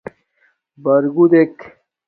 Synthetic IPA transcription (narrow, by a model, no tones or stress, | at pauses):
bɐɾɡud̪ek